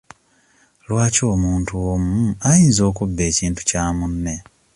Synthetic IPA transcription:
lwaːco̞ːmuːntuomuajiːnzo̞ːkubːe̞ːciːntu̥caːmunːe̞

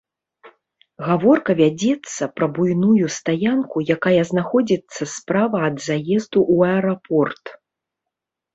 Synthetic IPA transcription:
ɣavɔrkɐvʲad͡zʲɛt̪sːɐpɾɐbujnujust̪ajankujakajɐznaxɔd͡zʲit̪sːɐspɾavɐːd̪zajɛzd̪uʔːɐɛɾapʰɔrt̪

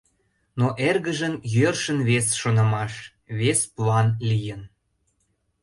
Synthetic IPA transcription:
noʔerɣəʒənjørʃənβesʃonəmɑʃ | βesplɑnlijən

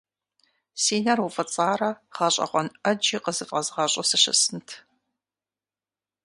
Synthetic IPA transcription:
siːnɐrufɐt͡sʼaːrɐχɐɕʼɐ̰qʷɔnɐd͡ʒiːqəzɨfʼɐzʁɐɕʼɐsɨɕɐ̰sɨntʰ

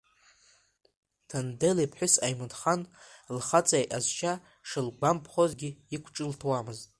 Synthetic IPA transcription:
tʰandelipʰħʷᶣʊsajmɨdχanlχat͡sʼajʔazt͡ʃʰa | ʂɨlɡʷampʰχozɡʲiikʷʰʈ͡ʂʼɨltʰwamɨztʼ

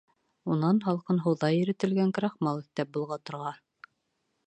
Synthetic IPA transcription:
unɑnɦɑlˠqɤnɦɤ̆wðɑjɘ̆ɾɘ̆t̪ɘ̆lɡæŋk̆ɾɑχmɑlˠɘ̆kt̪æp̚bulˠʁɑt̪ŏɾʁɑ

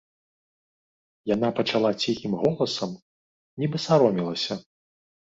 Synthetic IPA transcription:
janapɐt͡ʂalˠat͡sʲixʲimɣɔlˠɐsɐm | nʲibɨsaɾɔmʲilˠɐsʲɐ

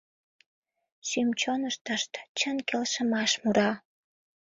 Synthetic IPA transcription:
symt͡ɕonəʃt̪əʃt̪t͡ɕənkelʃəmɑʃmuɾɑ

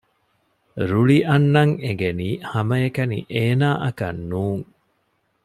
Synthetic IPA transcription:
ɾuɭiʔɐnːɐŋeɡeniːhɐmɐekɐnḭʔeːnaːʔɐkɐ̰nːuːŋ

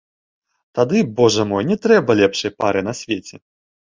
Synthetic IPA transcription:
t̪ad̪ɨbɔʐɐmɔjnʲɛt̪ɾɛbɐlʲɛpʂɐjpaɾɨnɐsʲvʲet͡sʲɛ

